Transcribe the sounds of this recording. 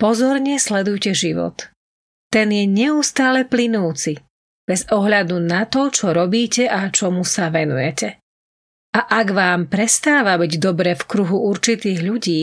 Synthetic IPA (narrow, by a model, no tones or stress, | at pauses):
pɔzɔɾɲɛslɛd̪ujcɛʒiʋɔ̰t̪ː | ɛnjɛɲɛust̪aːlɛplinuːt͡si | b̥ɛzɔɦʎad̪unat̪ɔt͡ʃɔɾɔbiːcɛʔat͡ʃɔmusaʋɛnṵjɛcɛ | aʔaɡʋaːmpɾɛst̪aːʋabiɟd̪ɔbɾɛːfkɾuɦuuɾt͡ʃit̪iːɣʎuɟiː